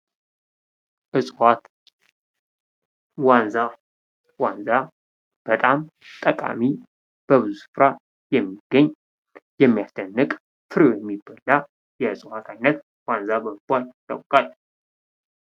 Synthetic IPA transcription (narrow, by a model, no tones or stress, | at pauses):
ʔɨsʼwat̪ | wanza | wanza | b̥ət̪ʼamt̪ʼəkʼa̰mi | b̥əβɨzusɨ̥fɾa | jɛmːiɡ̥əɲː | jɛmːijasd̪ənːɨkʼ | fɨɾojɛmːibəlːa | jɛɨsʼwat̪ʰajnːət̪ | wanzabəɨbʷalt̪ʼə̰wkʼal